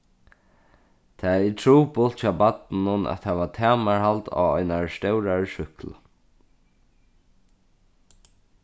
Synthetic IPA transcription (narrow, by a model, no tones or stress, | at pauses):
t̪ʰaːit̪ʰɹuːpʊlt̪t͡ʃʰaːbat̪nʊna̰t̪hɛːʋat̪ʰæːmaɹhalt̪a̰ːɔ̰ɪnaɹst̪ɛwɾaɹʃʏkl̰